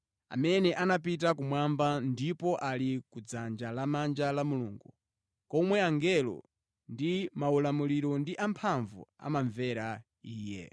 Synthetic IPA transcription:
a̰mɛnɛʔanapit̬akumwambandipɔʔalikud͡zand͡ʒalamand͡ʒalamuluːŋɡu | kɔmwɛaŋɡɛlɔ̰ | ndimaulamuliɾɔndiʔampʰaɱvṵa̰maɱvɛɾa | iːjɛ̰

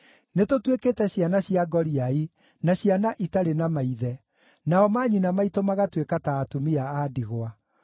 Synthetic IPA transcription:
netotweketɛɕjanaɕiaɡɔɾiai | naɕjanaʔitaɾenamaiðɛ | naɔmaːɲinamaitomaɣatwekataːtumiaadiɣowa

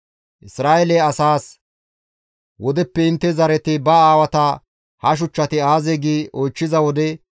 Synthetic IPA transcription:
ʔɪsɾaːʔɛlɛɐsaːs | wɔd̪ɛpːɛɪnt̪ːɛzɐɾɛt̪ɪbɐaːwɐt̪ɐ | hɐʃ̬ʊt͡ʃːɐt̪ɪaːzeɡiːʔojt͡ʃːɪzɐwɔd̪ɛ

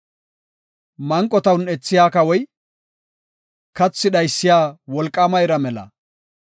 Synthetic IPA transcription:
mɐŋkʼːɔt̪ɐwnɛt͡sːɪjaːkɐwɔj | kɐt͡sːɪdɐjsːɪjaːwɔlkʼːɐmɐjɾɐmɛlɐ̰

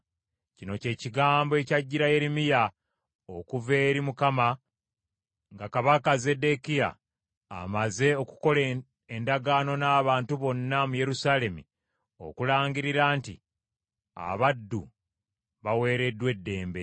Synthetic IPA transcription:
cino̞ce̞ːciɡaːmboe̞caɟːiɾaje̞ɾimija | okuve̞ːɾimukama | ŋɡakaβakaze̞de̞kija̰ː | maze̞o̞ku̥ko̞le | endaɡaːno̞naːβaːntuβo̞nːamuje̞ɾusaːle̞mḭ | o̞̰kulaːɲɟiɾiɾaːntḭ | a̰βadːu | βawe̞ːɾe̞dːwe̞dːe̞ːmbe̞

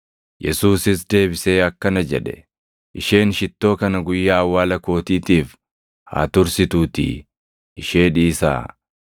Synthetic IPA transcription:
jɛ̰suːsɪs̬d̪e̞ːbɪse̞ːɐkːɐnɐd͡ʒɛᶑɛ̰ | ʔɪʃe̞ːnʃɪt̪ːo̞ːkɐnɐɡʊjːaːɐwːaːlɐko̞ːt̪iːt̪iːf | ha̰ːt̪ʊɾsɪt̪uːt̪ḭː | ʔɪʃe̞ːᶑiːsa̰ː

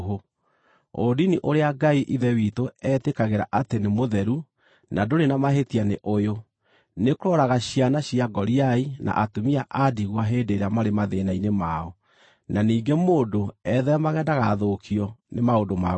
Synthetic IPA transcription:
ɦo | o̰diniʔoɾeaɡaiʔiðɛwiːtoɛtekaɣeɾaʔatenemoðɛɾu | nadoɾenamaɦetianeʔojo | nekoɾɔɾaɣaɕianaɕjaɡɔɾiaina̰ʔatomiaʔadiɣwaɦeːdeɾeamaɾemaðenainemaɔ | naniːŋɡemoːndoɛðɛamaɣɛːndaɣaðokʰiɔnemaodoma

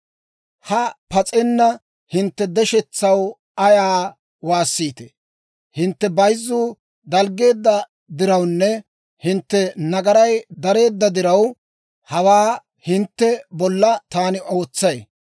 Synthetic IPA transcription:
hɐpɐt͡sʼɛnːɐ | hɪnt̪ːɛd̪ɛʃɛt͡sːɐw | ɐjaː | waːsːiːt̪ɛ̥ | hɪnt̪ːɛbɐjzːuː | d̪ɐlɡe̞ːd̪ːɐ | d̪ɪɾɐwnːɛ | hɪnt̪ːɛnɐɡɐɾɐjd̪ɐɾe̞ːd̪ːɐd̪ɪɾɐw | hɐwaː | hɪnt̪ːɛbɔlːɐt̪aːnɪʔo̞ːt͡sːɐj

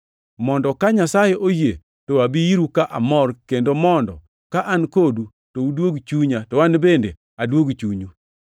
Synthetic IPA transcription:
mɔndɔkaɲasajeʔoje | toabijiɾukaʔa̰mɔrkendomɔndɔ̰ | kaʔankodu | toudwoɡt͡ʃuɲatɔwanbendḛ | adwoɡt͡ʃuɲu

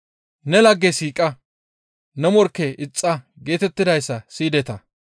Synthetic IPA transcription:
nɛlɐɡːɛsiːkʼɐ | nɛmɔɾkːɛʔɪt͡sʼːɐ | ɡe̞ːt̪ɛt̪ːɪd̪ɐjsːɐsiːd̪ɛt̪ɐ

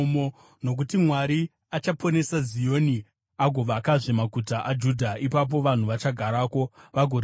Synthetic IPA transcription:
mo | no̞k̬utimwaɾi | at͡ʃapʰo̞ne̞sazijo̞ni | aɡʱo̞ʋakaʐemaɡʱutaʔad͡ʒudʱaipap̬o̞ʋan̤uʋat͡ʃaɡʱaɾaːko̞ʋaɡʱoɾ

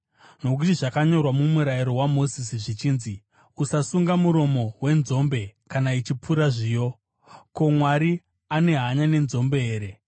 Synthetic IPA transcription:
no̞k̬utiʐakaɲo̞rwamumuɾaiɾo̞wamo̞zisiʐit͡ʃiːnzi | usasuŋɡamuɾo̞mo̞we̞nzo̞mbe̞kanait͡ʃip͡fuɾaʐiːjo̞ | ko̞mwaɾi | ane̞ɦaɲane̞nzo̞mbe̞eːɾe̞

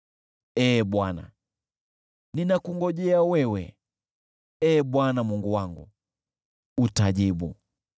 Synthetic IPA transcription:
ɛːɓwana̰ | ninakuŋɡɔʄɛawɛwɛ̰ | ɛːɓwanamuŋɡuwaŋɡṵ | utaʄiɓṵ

